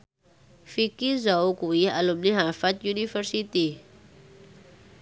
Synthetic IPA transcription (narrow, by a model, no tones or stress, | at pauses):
fikizawkujialumniɦafat̪junifəɾsit̪i